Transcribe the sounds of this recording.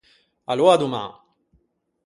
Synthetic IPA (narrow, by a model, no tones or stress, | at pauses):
alwaːd̪uma̰